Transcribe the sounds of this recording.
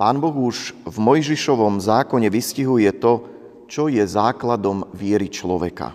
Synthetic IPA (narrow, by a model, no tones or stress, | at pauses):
paːnbɔɣuʒvmɔjʒiʃɔʋɔmzaːkɔɲɛʋisciɦujɛt̪ɔ | t͡ʃɔjɛzaːklad̪ɔmʋɪɛɾit͡ʃlɔʋɛ̰ka̰